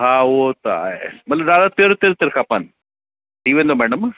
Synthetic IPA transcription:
ɦãːot̪oa̰emɐt̪ləbɾaːd̪apeɾot̪ɪɾt̪ɪɾkʰapan | ʈiːʋẽːnd̪omɛːɖəm

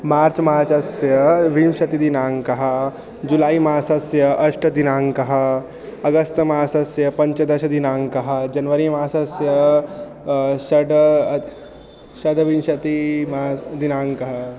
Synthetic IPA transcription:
maːɾt͡ʃmaːɾt͡ʃɐsjɐʋiːmʃɐt̪id̪inaːŋkɐɦɐ̆ | d͡ʒulaːimaːsɐsjɐʔɐʃʈɐd̪inaːŋkɐɦɐ̆ | ɐɡɐst̪maːsɐsjɐpɐ̃ɲt͡ʃɐd̪ɐʃɐd̪inaːŋkɐɦɐ̆d͡ʒɐnʋɐɾimaːsɐsjɐ | ʃɐd̪ | ʃɐd̪ʋimʃɐt̪imaːd̪inaːŋkɐɦɐ̆

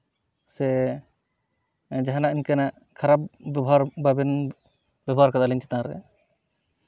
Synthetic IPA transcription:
sɛ | d͡ʒaɦanaʔiɲkanaʔ | kʰaɾap̚bɔbʱaɾbabɛn | b̥ɛbɔaɾkad̪aliɲt͡ʃɛ̥t̪ãɾɛ̰

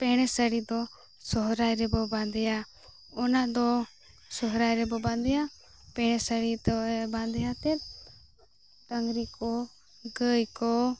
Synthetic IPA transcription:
pɛɽ̃ɛsəɽid̪ɔ | sɔɦɾajɾɛbɔbãnd̪ɛja | ɔnaʔd̪ɔ | sɔɦɾajɾɛbɔbãnd̪ɛja | pɛɽ̃ɛsəɽid̪ɔbãnd̪ɛjat̪ɛt̪̚ | t̪əŋɡɾikɔ | ɡəjkɔ

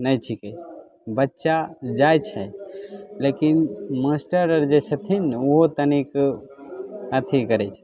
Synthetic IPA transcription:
nəjʈʰikɛt͡ʃʰ | bətːʃad͡ʒajt͡ʃʰɛ | lekinməsʈəɾəɾd͡ʒet͡ʃʰət̪ʰinoɦot̪ənik | ət̪ʰikəɾɛt͡ʃʰɛ̥

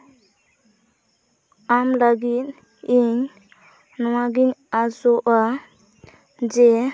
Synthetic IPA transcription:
amlaɡit̪̚ | iɲ | nɔwaɡiɲazɔʔa | d͡ʒɛ

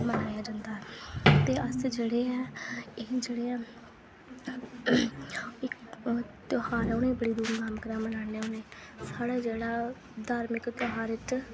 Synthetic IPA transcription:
mənaːjaːd͡ʒãːnd̪aːɛt̪eːəsd͡ʒeːɽeːɛːɪd͡ʒeːɽeːɛː | ɪkt̪ʊhaːɾʊnẽːbəɽiːd̪uːmɡamkəɾãːmənaːneːʊneː | saːɽaːd͡ʒeːɽaː | d̪aːɾmɪkt̪oɦaːɾɪʈ

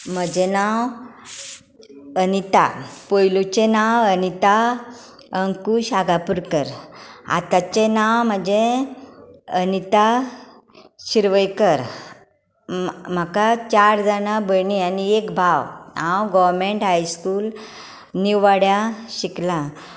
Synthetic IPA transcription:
m̤əd͡ʑenaw | ənit̪apojlut͡ɕenawənit̪a | əŋkuɕaɡapuɾkəɾa̰t̪at͡ɕenawm̤əd͡ʑe | ənit̪a | ɕiɾʋəjkəɾ | m̤akat͡ɕaɾd̪anabʱəɳianiekbʱaʋnãwɡɔʋɾmeɳʈɦajskuːl | niwʋaɽjaɕiklã

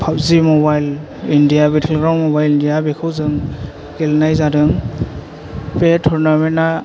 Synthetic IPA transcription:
pʰap̚zimɔbajl | indijabetʰelɡɾawmɔbajlindijabekʰɯwzɯŋ | ɡelnajzadɯŋ | petʰɔɾnamena

